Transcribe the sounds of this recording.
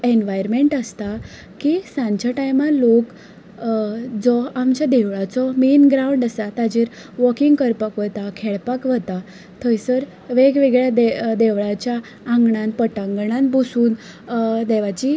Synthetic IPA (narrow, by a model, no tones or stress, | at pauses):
enʋajɾmeɳʈəst̪a | kisãɲt͡ɕjaʈajmalok | d͡zɔamt͡ɕjad̪eʋɭat͡sɔmiːnɡɾauɳɖəsat̪ad͡ʑiɾ | ʋɔkiŋɡkəɾpakʋət̪akʰɛɭpakʋət̪a | t̪ʰɔjsəɾ | ʋeɡʋeɡɭjad̪ed̪eʋɭat͡ɕjãː | ŋɡɳãnpəʈãŋɡɳanbusuːn | d̪ɛʋat͡ɕi